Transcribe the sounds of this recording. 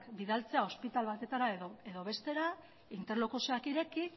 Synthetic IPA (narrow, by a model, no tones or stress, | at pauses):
kbiðalt͡se̞ao̞spit̪alβ̞at̪e̞t̪aɾaee̞ðo̞βe̞st̪e̞ɾa | int̪e̞ɾlokuseakiɾe̞ki